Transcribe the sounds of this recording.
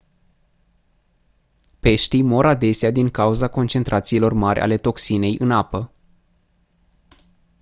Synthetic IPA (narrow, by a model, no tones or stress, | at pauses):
pe̞ʃt̪ijmo̞ɾad̪e̞sead̪iŋkauzako̞nt͡ʃe̞nt̪ɾʔat̪siːlo̞rmarʲʔa̰le̞t̪o̞ksine̞jʔɨnapə